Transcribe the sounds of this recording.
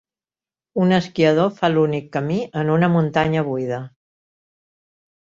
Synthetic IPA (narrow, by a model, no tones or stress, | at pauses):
unəskiəð̞ofalunikːəmiʔənunəmunt̪aɲəβujðə